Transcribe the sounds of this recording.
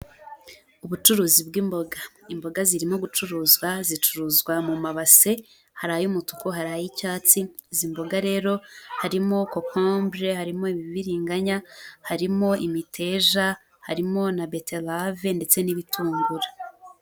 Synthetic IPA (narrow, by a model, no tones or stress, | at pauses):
uβut͡ʃuɾuːzibɡiːmbo̞ɡaimbo̞ɡaziɾimo̞ɡut͡ʃuɾuːzɡwazit͡ʃuɾuːzɡwamumaβase̞ | haɾajumutu̥koɦaɾajicaːt͡si | zimbo̞ɡaɾe̞ːɾo̞haɾimo̞kokʰombɾehaɾimo̞iβiβiɾiːŋɡaɲahaɾimo̞ʔimitʰe̞ʒa | haɾimo̞nabetelave̞nde̞t͡se̞niβitʰuːŋɡuɾa